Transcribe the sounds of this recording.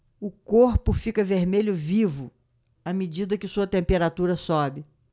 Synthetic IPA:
ʊkoɾpʊfikɐveɾmeʎʊvivʊ | amid͡ʒid̪ɐkɪsuɐt̪ẽmpeɾat̪uɾɐsɔbɪ

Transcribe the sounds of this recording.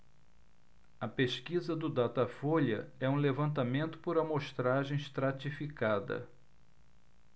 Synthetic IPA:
ɐpeʃkizɐd̪ʊd̪at̪afoʎɐɛũlevɐ̃nt̪amẽnt̪ʊ̥poɾɐmoʃt̪ɾaʒẽj̃ʃst̪ɾat͡ʃifikad̪ɐ̰

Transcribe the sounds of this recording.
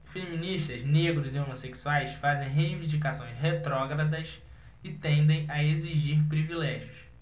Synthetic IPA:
femĩniʃt̪ɐzneɡɾʊzɪõmoseksuajsfazẽj̃ɦeivĩnd͡ʒikasõj̃sɦet̪ɾɔɡɾɐd̪ɐs | ɪt̪ẽnd̪ẽj̃ɐeziʒiɾpɾivilɛʒjʊs

